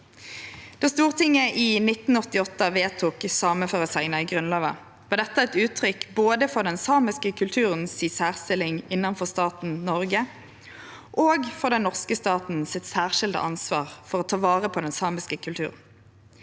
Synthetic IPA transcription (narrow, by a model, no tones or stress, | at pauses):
d̪̥ɛst̪uːʁt̪ʰɪŋːəʔinɪt̪n̩ɔt̪ɪɔt̪ːəʋeːt̪ʰuːksɑːməfɑʁəsæɪnɑɪɡʁʉnlɑːʋə | ʋɑːd̪ɛt̪ːəɛt̪ʉːt̪ʰʁʏkboːd̪əfɔʁd̪ɛnsɑːmɪskəkʰʉlt̪ʰʉːʁənsɪsæːʁst̪ɪlɪŋɪnːɑnfɔʁst̪ɑːt̪n̩nɔʁɡə | ʔoːɡfɔʁd̪ɛnɔʁskəst̪ɑːt̪n̩sɪt̪sæːʁʃɪld̪ə̰ʔɑnsʋɑːʁfɔʁoːt̪ʰɑːʋɑːʁəpʰoːd̪ɛnsɑːmɪskəkʰʉlt̪ʰʉ̰ːʁn̩